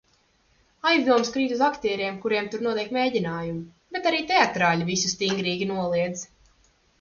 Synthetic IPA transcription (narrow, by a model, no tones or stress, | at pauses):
ajzd̪uɔmskɾiːt̪uzakt̪ʲiːɾjɛmkuɾiɛmt̪uɾnuɔɛk̪meːɟinaːjumu | b̥et̪aɾiːt̪eat̪ɾaːlʲivisust̪iŋɡɾiːɡʲinuɔlˠiɛd̪z